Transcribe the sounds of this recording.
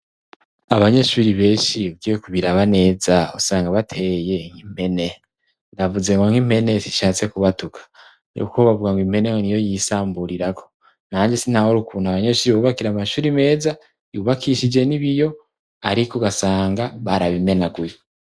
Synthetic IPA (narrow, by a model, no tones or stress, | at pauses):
aβaɲe̞ʃuɾiβe̞ːnʃiɡiwekuβiɾaβane̞ːzausaːŋɡaβatʰe̞je̞ŋ̥him̥e̞ne̞ | ndavuze̞ŋoŋ̥him̥e̞nesiʃaːt͡se̞kuβatukʰḁ | jṵkʰoβavuɡaŋɡwim̥e̞neŋonijo̞jisaːmbuɾiɾakʰo̞̥ | n̥aːɲd͡ʒesinhahoɾukʰuːnaβaɲe̞ʃuːɾiβoβakiɾamaʃuːɾime̞ːza | juβakʰiʃid͡ʒe̞niβijo̞ | aɾikoɡasaːŋɡaβaɾaβime̞naɡuje